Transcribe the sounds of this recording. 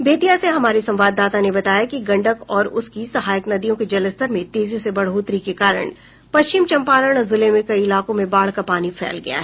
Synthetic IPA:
beːt̪ijaseɦɐmaːɾisɐ̃mʋaːd̪ːaːt̪anebɐt̪aːjakiɡɐ̃ɳɖəkɔːɾʊskisɐɦaːjəknɐd̪ijõked͡ʒɐləst̪əɾmẽt̪eːzisebɐɽ̤ɦoːt̪ɾikekaːɾə̰ɽ̃ | pɐst͡ʃɪmt͡ʃɐ̃mpaːləɽ̃ɔzɪlẽmẽkɐiɪlaːkõmẽbaːɭ̤kapaːnifʰɛ̰ːlɡɐ̰ja̰ɦɛ

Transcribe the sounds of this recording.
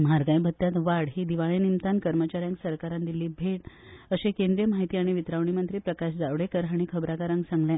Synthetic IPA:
m̤aɾɡajbʱət̪ːjat̪ʋaɽɦiːd̪iʋaɭenimt̪ankəɾmət͡ɕaɾjãŋksəɾkaɾand̪iliːbʱeʈəɕekẽnd̪ɾijəmaɦit̪iːaɽ̃iʋit̪ɾaʋɳimənt̪ɾiːpɾəkaɕd͡zaʋɽekəɾɦaɽ̃ikʰəbɾakaɾãŋɡsãŋɡljɛ̃

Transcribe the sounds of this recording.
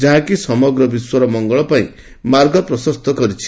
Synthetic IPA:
d͡ʒaɦãkisɔmɔɡɾɔbiswɔɾɔmɔŋɡɔɭɔpaĩ | maɾɡʱɔpɾɔsɔst̪ʰɔkɔɾit͡ʃʰi̥

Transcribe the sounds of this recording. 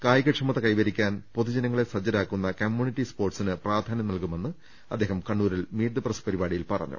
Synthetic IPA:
kaːjɐkɐʈʂɐmɐt̪ːɐkɐjʋɐɾikʲːaːnpo̞ðud͡ʑɐnɐŋːɐɭesɐd͡ʑːɐɾaːkːunːɐkɐmjuːnitːispo̞ːrʈsinɨpraːd̪ʱaːnɐmnɐlkume̞nːɨ | ɐd̪ːe̞ːɦɐmkɐɳːuːɾilmiːrd̪ɐprɐspɐɾibaːɽijilpɐrɐ̰ɲːṵ

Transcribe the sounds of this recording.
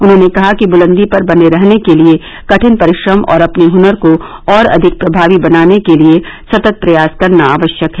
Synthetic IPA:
ʊnɦõːnekɐɦakibʊlə̃nd̪ipɐɾbɐneɾɐɦnekelie | kɐʈʰɪnpɐɾɪʃɾəmɔ̰ːɾɐpneɦʊnəɾkoɔːɾɐ̰d̪ʱɪk̚pɾɐbʱaːʋibɐnaːnekeliesɐt̪ət̪̚pɾɐjaːskɐɾnaaːʋəʃjəkɦɛː

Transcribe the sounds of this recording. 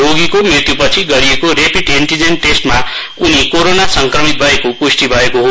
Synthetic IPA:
oɡikomɾit̪jupʌt͡sʰiɡʌɾiekoɾepiʈinʈ̪id͡zenʈesʈma | unikoɾonasʌŋkrʌmit̪̚bʱʌekokusʈibʱʌekoɦo

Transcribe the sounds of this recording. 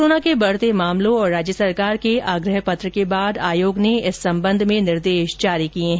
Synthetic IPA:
oːnakebɐɽ̤t̪emaːmlõɔːɾːaːd͡ʒjəsɐɾkaːɾkeaːɡɾəɦpɐt̪ɾəkebaːd̪aːjoːɡneɪsːɐ̃mbə̃nd̪ʱmẽnɪɾd̪eːʃd͡ʒaːɾikiẽɦ

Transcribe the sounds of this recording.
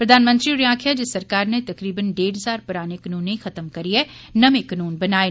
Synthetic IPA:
pɾɐd̪ʱaːnmə̃nt̪ɾiʊɾjãːkʰjad͡ʒɪsːɐɾkaːɾnet̪ɐkɾiːbənɖeːɽɦɐzaːɾpɐɾaːnekɐnuːneɦĩxɐt̪əmkɐɾiɦɛnɐmekɐnuːnbɐnaːe

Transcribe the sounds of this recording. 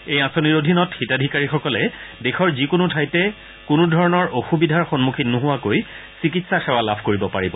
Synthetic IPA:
ejãsoniɹodʱinɔtxitadʱikaɹixɔkɔlɛdexʰɔɹzikʊnutʰajtɛ | kʊnʊdʱɔɹɔnɔɹoxubidʱaɹxɔnmukʰinuɦʊwakoj | sikitsaxɛwalabʱkoɹibɔpaɹibɔ

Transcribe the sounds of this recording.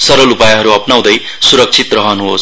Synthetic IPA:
sʌɾʌlupajaɦʌɾuʌpnaw̃d̪ʌj | suɾʌk̚t͡sʰit̪rʌɦʌnuɦos

